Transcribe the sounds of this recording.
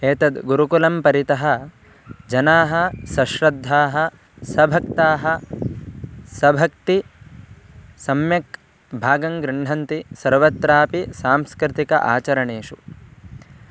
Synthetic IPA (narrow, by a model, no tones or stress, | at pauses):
eːt̪ɐd̪ɡuɾukulɐmpɐɾit̪ɐɦɐ̆ | d͡ʒɐnaːɦɐ̆sɐʃɾɐd̪ʱːaːɦɐ̆ | sɐbʱɐkt̪aːɦɐ | sɐbʱɐk̚t̪i | sɐmjɐk | bʱaːɡɐŋɡɾɪɳɖ̤ɐnt̪isɐɾʋɐt̪ɾaːpisaːmskɾɪt̪ikɐ̰ʔa̰ːt͡ʃɐɾɐɳeːʂu